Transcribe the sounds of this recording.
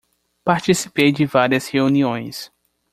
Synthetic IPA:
paɾt͡ʃisipejd͡ʒɪvaɾiɐsheuniõj̃s

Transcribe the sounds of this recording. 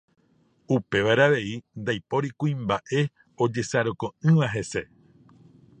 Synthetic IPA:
upe̞ʋaɾaʋe̞ind̪ajpo̞ɾikũĩmbaʔe̞ | od͡ʒe̞saɾokõ̞ɨ̃ʋaɦe̞se̞

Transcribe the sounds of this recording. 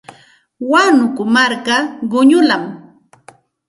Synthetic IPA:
wanʊkʊmaɾkaɢʊɲʊlam

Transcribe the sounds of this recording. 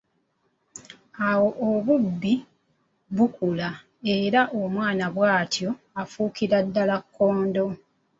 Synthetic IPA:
awo̞ʔoβubːi | βukula | e̞ɾaʔomwaːnaβwaːtʰjo̞ | afuːkiɾadːalakʰːoːndo̞

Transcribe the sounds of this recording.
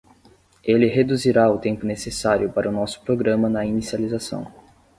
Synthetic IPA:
elɪɦed̪uziɾaʊt̪ẽmpʊnesesaɾjʊpaɾɐʊnɔsʊ̥pɾoɡɾɐ̃mɐnɐinisializasɐ̰̃w̃

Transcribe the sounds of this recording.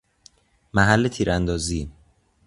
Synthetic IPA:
mæɦælːet̪ʰiːɾænd̪ɒːziː

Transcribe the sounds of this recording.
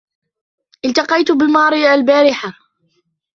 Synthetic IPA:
ʔɪlt̪ɑqɑjt̪bɪmɑːɾˤiːalbaːɾɪħa

